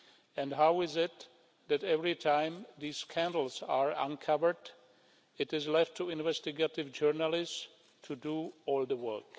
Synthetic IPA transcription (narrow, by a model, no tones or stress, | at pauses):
ɛ̃ndɦaʊɪzɪt̪ | ðætɛvɹitʰãɪ̃mðiːskʰæ̃ndl̩ˠzaɹã̰nkʰʌvə˞d | ɨɾɪzlɛftʰːuɪ̃nvɛstɪɡatɪvd͡ʒɜɹnəlɪs | tʰuduɔːlˠðəwɜ̰˞k